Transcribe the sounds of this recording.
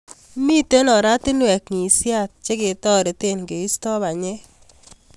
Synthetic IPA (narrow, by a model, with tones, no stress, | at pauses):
mi˦te˦nɔ˨ɾa˦tɪ˦nwɛ˨kŋi˨sja˦˨t̚t͡ʃe˦kɪ˨tɔ˦˨ɾe˨te˦˨nɡe˨i˦stɔ˦βa˨ɲe˦